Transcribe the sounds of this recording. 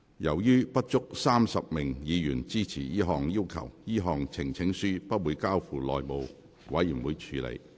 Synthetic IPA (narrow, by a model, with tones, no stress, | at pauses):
jɐ˨˩wjyː˥pɐ˥t̚t͡ʃʊ˥k̚saː˥msɐ˨p̚mɪ˨˩ŋjiː˨˧jyː˨˩nt͡siː˥t͡sʰiː˨˩jiː˥ɦɔː˨ŋjiː˥wkʰɐ̰˨˩wjiː˥ɦɔː˨ŋt͡sʰɪ˨˩ŋt͡sʰɪ˨˥ŋsyː˥pɐ˥t̚wuː˨˧jkaː˥wfuː˨lɔ̰ː˨jmo˨˧w | wɐ˨˥jːyː˨˩nwuː˨˧jt͡ʃʰyː˨˧lḛ˨˩j